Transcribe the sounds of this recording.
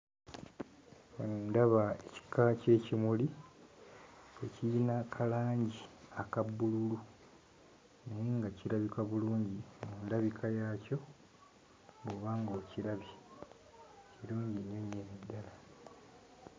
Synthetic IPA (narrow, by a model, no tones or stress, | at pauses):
onundaβaeci̥kːace̞ːcimuli | ecijinakʰalaːɲɟiakabːululu | neeŋɡaciɾaβikaβuluːɲɟimundaβikʰajaːco̞ | βuβaːŋɡoːciɾaβi | ciluːɲɟiɲːoɲːenedːala